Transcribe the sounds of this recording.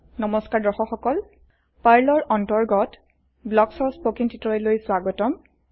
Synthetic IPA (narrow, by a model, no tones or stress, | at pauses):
nɔmɔskaɹdɔxɔxɔkɔl | paɹlɔɹɔntɔɹɡɔt | blɔksɔspokintitɔɛlojswaɡɔtɔm